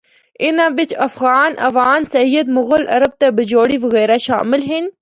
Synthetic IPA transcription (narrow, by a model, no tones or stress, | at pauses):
ɪnãʋɪt͡ʃɐfɣaːnʔɐ̰ʋaːnsɐjəd̪mʊɣəlʔɐ̰ɾəb̚t̪ɐbɪd͡ʒoːɽiʋɐɣɛːɾaʃa̰ːmɪlɦɪn